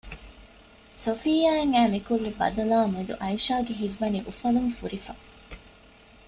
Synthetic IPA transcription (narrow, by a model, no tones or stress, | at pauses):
sofijaːeŋæːmikulːebɐ̰d̪ɐlaːmed̪ṵʔɐiʃaːɡeɦiʋːɐniʔufɐlumfuɾifɐ